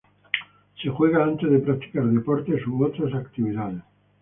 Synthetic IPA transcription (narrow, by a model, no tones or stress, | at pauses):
sexweɣaant̪ezðepɾak̚t̪i̥kaɾðepɔɾt̪esuowt̪ɾasakt̪iβiðaðes